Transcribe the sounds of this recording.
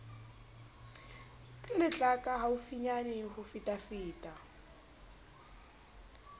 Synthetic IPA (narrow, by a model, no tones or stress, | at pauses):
kʼɛlɪt͡ɬʼakʼaɦaufiɲanɪhufitʼafiːtʼa